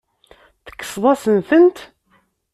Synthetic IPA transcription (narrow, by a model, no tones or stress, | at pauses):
θə̥kːə̥swɑsənθənt̪